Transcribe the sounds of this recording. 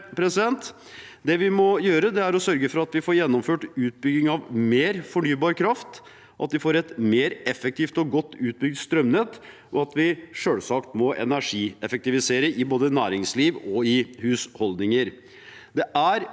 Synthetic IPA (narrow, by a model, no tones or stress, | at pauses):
pʰɾɛsɪd̪ɛnt̪ | d̪ɛʋɪmɔjøːɾəd̪ɛæɾɔsœɾɡəfɔɾɑt̪ʋɪfoːɾjɛnːɔmføːʈʉːt̪̚bʏɡːɪŋɑʋmeːɾfɔɳyːbɑːɾkʰɾɑft̪ | ʔɑ̰t̪d̪ɪfoːɾɛt̪meːɾɛfək̚t̪ʰiːft̪ɔɡɔt̪ːʉːt̪̚bʏɡ̚d̪st̪ɾœmnɛt̪ː | ʔɔɑt̪ʰʋɪʂøːlsɑkt̪mɔʔɛ̰næʂiːɛfək̚t̪ɪʋɪseːɾəʔɪboːd̪ənæːɾɪŋsliːʋɔɪhʉːshɔld̪nɪŋəɾ | d̪ɛʔæɾ